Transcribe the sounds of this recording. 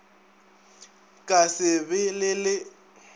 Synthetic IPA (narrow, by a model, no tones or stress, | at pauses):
kʼasɪbɪlɪlɪ